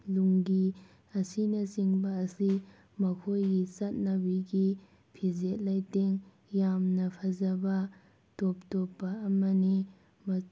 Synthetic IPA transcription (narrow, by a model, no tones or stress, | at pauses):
luŋɡi | ɐsinɐsiŋbɐːsi | mɐkʰojɡisɐt̚nɐbiɡi | pʰizet̚lajteŋ | jamnɐpʰɐzɐbɐ | top̚topːɐːmɐni | mɐ